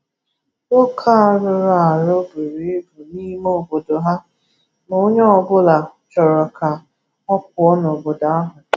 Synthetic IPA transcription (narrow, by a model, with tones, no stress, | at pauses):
o˦kʰa˦ɾʊ˦ɾa˨ɾo˦bu˨ɾi˨e˦bu˨niː˦mo˦o˨bo˨do˨ɦa˦ | no˦ɲ˦ɔ˨bʊ˦la˨t͡ʃɔ˨ɾɔ˨kʰa˨ | ɔ˦p̚ʊ˨˦ɔ˦nɔ˨bo˨da˦ɦʊ˨